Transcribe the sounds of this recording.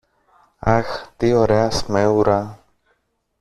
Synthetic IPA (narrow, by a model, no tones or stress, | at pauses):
axt̪ioɾeasmewɾa